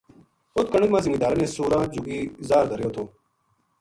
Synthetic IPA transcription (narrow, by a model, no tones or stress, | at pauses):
ʊt̪̚kəɳəkmãːziŋɡid̪aːlənẽːsuːɾãːd͡ʑuɡiːzaːɾd̪əɾjoːt̪ʰoː